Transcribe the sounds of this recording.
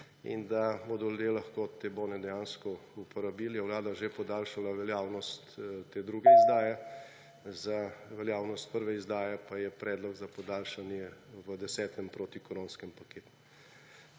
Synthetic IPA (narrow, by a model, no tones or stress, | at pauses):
ḭnd̪abod̪ɔld̪elɐxkoːt̪eːboːnɛd̪ɛjaːnskɔupɔɾabiːljɛwlaːd̪aʒepɔd̪aːlʃalaʋɛljaːwnɔst̪t̪eːd̪ɾuɡɛizd̪aːjɛ | zaʋɛljaːwnɔst̪̚pəɾʋɛizd̪aːjɛpajɛpɾɛːd̪lɔɡzapɔd̪aːlʃanjɛʋəd̪ɛsɛːt̪ʰɛmpɾoːt̪ikɔɾoːnskɛmpakeːt̪u̥